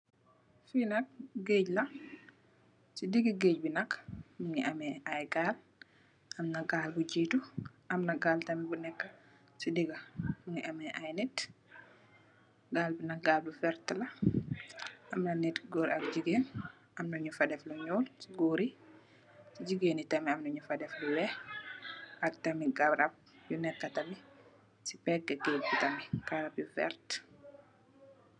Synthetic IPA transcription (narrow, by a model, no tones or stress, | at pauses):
finakɡeːɟlɐ | sidiɡiɡeːɟbinakːmuŋiʔamɛʔajɡaːl | ʔamnaɡaːlbud͡ʒiːtuʔamnaɡaːltɐmibunɛkːa | sidiɡamuŋiʔamɛʔajnɛt | ɡaːlbinak̚ɡaːlbufɛɾtlɐ | ʔɐmnɐnitɡoːɾiɐk̚d͡ʒiɡeːn | ʔɐmnɐɲufɐdɛfluɲoːlsiɡoːɾi | sid͡ʒiɡeːnitɐmiamnɐɲufɐdɛfluwɛ | ʔɐk̚tɐmiɡaɾab̚junɛkːatɐmi | si̥pɛɡaɡeɡutɐmikaɾapjufɛ̰ɾt